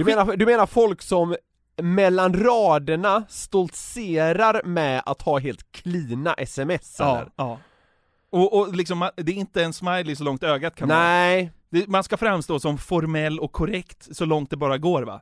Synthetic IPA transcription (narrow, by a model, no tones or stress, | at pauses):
d̪ɵmːnaɾd̪ɵmeːnaɾfɔlksɔmː | ɛlːanɾɑːd̪əɳast̪ɔlt̪seːɾaɾmɛa̰t̪hɑːɦeːlt̪kʰliːna̰ʔɛsɛmɛsːɛlːə̰ɾɑː | ɔʔːlɪksɔmːand̪ɛɾɪnt̪əɛnsmajlɪs̬ɔlɔŋt̪øːɡat̪kʰanɛd̪ɛmanskafɾamːst̪oːsɔmfɔɾmɛlːɔkʰːɔɾɛkt̪sɔlɔŋt̪̚d̪ɛbɑːɾaɡoːɾva̰